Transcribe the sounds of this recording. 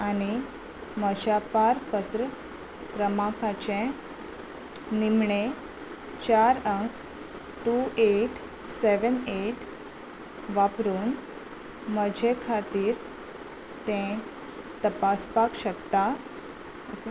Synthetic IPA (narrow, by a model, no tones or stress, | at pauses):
ani | məd͡ʑapaɾpət̪ɾə | kɾəmãkat͡ɕẽ | nimɳe | t͡ɕaɾəŋk | ʈueʈ | seʋəneʈ | ʋapɾuːn | məd͡ʑʱekʰat̪iːɾ | t̪ɛ̃ | t̪əpaspakɕəkt̪a